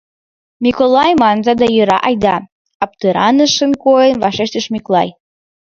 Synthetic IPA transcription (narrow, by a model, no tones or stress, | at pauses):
mʲikolɑjmɑnzɑd̪ɑjøɾɑʔɑjd̪ɑ | ɑp̚t̪əɾɑnəʃənkojənvɑʃeʃt̪əʃmʲiklˠɑj